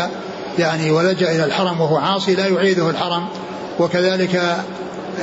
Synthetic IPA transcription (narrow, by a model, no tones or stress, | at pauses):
jaʕniwalad͡ʒaʔɪlalħɑɾˤɑmwahʊwaʕɑːsˤilaːjʊʕiːd̪ʊhalħɑɾˤɑm | wakaðaːlɪka